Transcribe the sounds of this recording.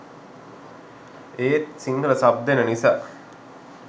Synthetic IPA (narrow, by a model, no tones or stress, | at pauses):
eːt̪̚siŋɡələsab̚d̪enənisaː